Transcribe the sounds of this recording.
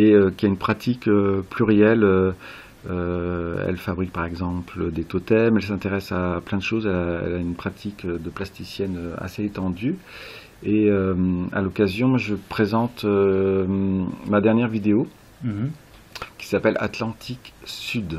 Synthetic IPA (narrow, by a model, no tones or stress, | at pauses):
eøkʲiaynpχat̪ʰikøplyʁejɛlø | øɛ̰lfabʁik̚paʁɛɡzɑ̃pləd̪et̪ot̪ɛmɛlsɛ̃t̪eʁɛsaplɛ̃d̪əʃozɛlaɛ̰laynpχat̪ʰikød̪əplast̪isjɛnøa̰seːt̪ɑ̃d̪y | eøma̰lɔkazjɔ̃mwaʒəpχezɑ̃t̪ø | mad̪ɛʁnjɛʁvid̪eo | kʲi̥sapɛlʔa̰t̪lɑ̃t̪ʰiksyd̪